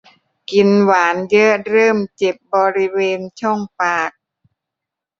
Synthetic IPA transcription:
ki˧nwaː˩˦njɤ˦˥ɾɤː˥˩mt͡ɕe˨˩p̚bɔː˧ɾi˦˥weː˧nt͡ɕʰɔ˥˩ŋpaː˨˩k̚

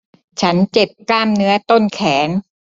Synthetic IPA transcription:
t͡ɕʰa˦˥nt͡ɕe˨˩p̚klaː˥˩mnɯ˦˥ɐt̪o˥˩nkʰɛː˩˦n

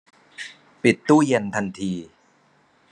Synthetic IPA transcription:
pi˨˩t̪ːuː˥˩je˧nt̪ʰa˧nt̪ʰiː˧

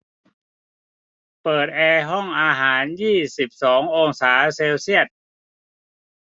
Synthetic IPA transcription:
pɤː˨˩t̪̚ʔɛː˧ɦɔ˥˩ŋʔaː˧ɦaː˩˦njiː˥˩si˨˩p̚sɔː˩˦ŋʔoː˧ŋsaː˩˦seː˧wsi˥˩ət̪̚

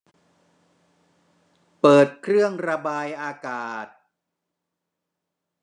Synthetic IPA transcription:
pɤː˨˩t̪̚kʰɾɯ˥˩əŋɾa˧baː˧jʔaː˧kaː˨˩t̪̚

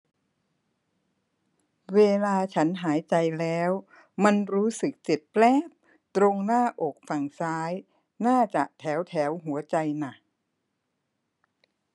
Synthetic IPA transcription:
weː˧laː˧t͡ɕʰa˦˥nɦaː˩˦jt͡ɕa˧jlɛː˦˥w | ma˧nɾuː˦˥sɯ˨˩k̚t͡ɕe˨˩pplɛː˥˩p̚ | t̪ɾo˧ŋnaː˥˩ʔo˨˩k̚fa˨˩ŋsaː˦˥j | naː˥˩t͡ɕa˨˩ʔt̪ʰɛː˩˦wt̪ʰɛː˩˦wɦu˩˦ɐt͡ɕa˧jna˨˩

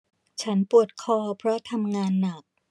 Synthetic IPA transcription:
t͡ɕʰa˦˥npu˨˩ət̪̚kʰɔː˧˩pʰɾɔ˦˥t̪ʰa˧mŋaː˧nːa˨˩k̚

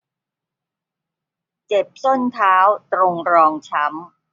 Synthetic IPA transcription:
t͡ɕe˨˩p̚so˥˩nt̪ʰaː˦˥wt̪ɾo˧ŋɾɔː˧ŋt͡ɕʰa˦˥m

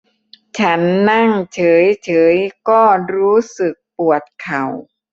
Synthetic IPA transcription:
t͡ɕʰa˦˥nːa˥˩ŋt͡ɕʰɤː˩˦jt͡ɕʰɤː˩˦jkɔː˥˩ɾuː˦˥sɯ˨˩k̚pu˨˩ət̪̚kʰa˨˩w

